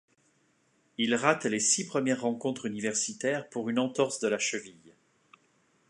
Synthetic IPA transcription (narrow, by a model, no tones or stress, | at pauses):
ilʁat̪lesipχəmjɛʁːɑ̃kɔ̃t̪χynivɛʁsit̪ɛʁpuʁynɑ̃t̪ɔʁsd̪əlaʃəvij